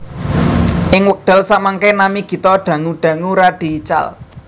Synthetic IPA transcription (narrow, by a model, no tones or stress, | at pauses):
ʔɪŋwək̚ɖ̪̥ə̤lsaʔmaŋkenamiɡ̥i̤t̪ɔɖ̪̥ä̤ŋuɖ̪̥ä̤ŋuɾaɖ̥i̤ːt͡ʃa̰l